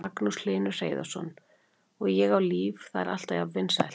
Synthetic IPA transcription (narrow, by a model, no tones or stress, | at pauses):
aknusl̥ɪːnʏ̥r̥ejɪða̰wsɔ̰n | ɔɣjɛɣawliːvθaðɛ̰ɾʔa̰l̥t̪aðavvɪnsaðɛ̰l